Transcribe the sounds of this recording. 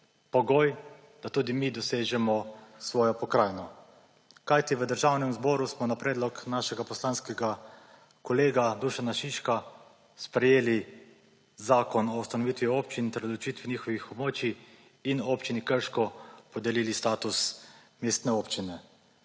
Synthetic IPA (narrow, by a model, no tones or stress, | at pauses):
pɔɡoj | d̪̥at̪uːd̪imid̪ɔseːʒɛmɔsʋɔːjɔpɔkɾaːjnɔ | kajt̪iʋəd̪əɾʒaːwnɛmzbɔːɾusmɔnapɾeːd̪lɔknaːʃɛɡapɔslaːnskɛɡa | kɔleːɡad̪uʃanaʃiʃka | spɾɛjeːli | zaːkɔnɔust̪anɔʋit̪ʋioːpt͡ʃint̪ɛɾd̪lut͡ʃiːt̪ʋiniːxɔʋixɔbmoːt͡ʃiː | nopt͡ʃinikəɾʃkɔpɔd̪ɛlilist̪aːt̪us | mest̪nɛoːpt͡ʃinɛ